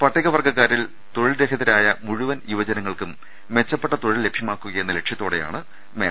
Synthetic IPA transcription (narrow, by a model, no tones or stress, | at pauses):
pɐʈʰːiɣɐʋɐrɡɐkːaːɾil | t̪o̞ɻilɾe̞kʰɐðɐɾaːjɐmuɻuʋɐnjuʋɐd͡ʑɐnɐŋːɐɭkum | ʋe̞t͡ɕːɐpːe̞ʈːɐt̪o̞ɻille̞bʱjɐmaːkːuɣɐje̞nːɐle̞kʂjɐt̪ːoːɽe̞ja̰ːɳɨ | meːɐ